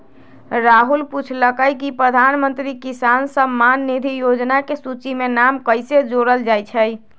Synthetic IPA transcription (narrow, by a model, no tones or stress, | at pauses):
ɾaɦulput͡ʃʰləkəjkipɾəd̪ʱanmənt̪ɾikisansəmanːid̪ʱijod͡ʒnakesut͡ʃimenamkəɪsed͡ʒoɾəld͡ʒajt͡ʃʰəj